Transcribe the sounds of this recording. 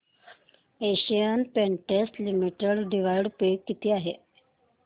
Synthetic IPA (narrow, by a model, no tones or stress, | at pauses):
eɕijənpeɳʈeslimiʈeɽɖiʋajɽpekːit̪ʰiːaɦe